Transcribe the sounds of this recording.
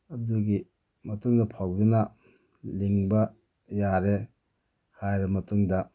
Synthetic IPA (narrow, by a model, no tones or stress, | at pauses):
ɐduɡi | mɐtuŋdɐpʰawdunɐ | liŋbɐ | jaɾe | hajɾɐmɐtuŋdɐ